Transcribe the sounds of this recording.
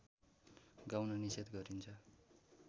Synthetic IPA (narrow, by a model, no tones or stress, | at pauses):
ɡawnʌnised̪ɡʌɾint͡sʰʌ